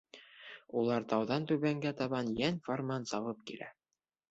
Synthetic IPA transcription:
ulˠɑɾt̪ɑwðɑnt̪ʉβæŋɡæt̪ɑβɑnjænformɑnsɑβɤp̚kilæ̰

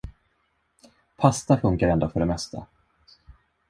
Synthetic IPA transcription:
pʰast̪afɵŋkaɾɛnd̪ofœɖɛmɛst̪ʰa̰

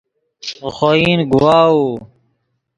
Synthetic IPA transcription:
xoiːnɡuwaːuː

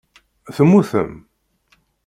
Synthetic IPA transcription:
θəmːuθə̰m

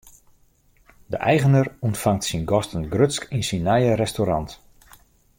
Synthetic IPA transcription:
dəʔɛjɣənərɔntfaŋtsinɡɔstənɡrøtskinsinːɛjəɾɛstoɾɑnt

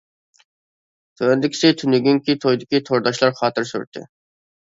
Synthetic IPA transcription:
t̪ʰønd̪ɪkʲɪ̥sɪt̪ʰynyɡʲyŋkʲit̪ʰojd̪ɪkʲit̪ʰoɾd̪ɑʃlˠɑɾχɑːt̪ɨɾsy̰ɾt̪ʰːɪ̰

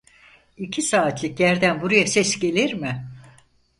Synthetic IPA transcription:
icʰisaːt̪ʰlʲicjæɾd̪ænbuɾajasɛsɟe̞lʲiɾmɪ

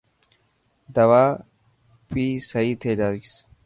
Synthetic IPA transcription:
d̪ɐwaː | pʼiːsɐjit̪ʰeːd͡ʒaːt͡ʃɪs

